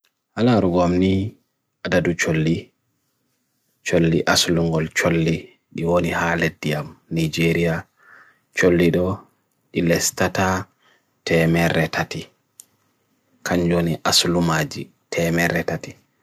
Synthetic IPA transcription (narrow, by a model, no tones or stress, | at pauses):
halaɾuɡɔamni | ʔadadut͡ʃolːi | t͡ʃolːiʔasluŋɡɔlt͡ʃolːi | ɗiwonihaledːijamnid͡ʒeɾija | t͡ʃolːiɗɔ | ɗilɛstata | tʰɛmɛɾɛtʰati | kʰaɲd͡ʒoniʔaslumad͡ʒḭ | tʰɛmɛɾɛtati